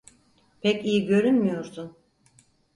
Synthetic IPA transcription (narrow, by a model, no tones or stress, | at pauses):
pʰɛcijiɟø̞ɾynmijo̞ɾsʰun